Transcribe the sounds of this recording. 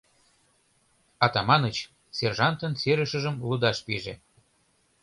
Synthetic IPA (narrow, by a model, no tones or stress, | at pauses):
ɑt̪ɑmɑnət͡ɕ | serʒɑnt̪ənseɾəʃə̆ʒəmlud̪ɑʃpiʒe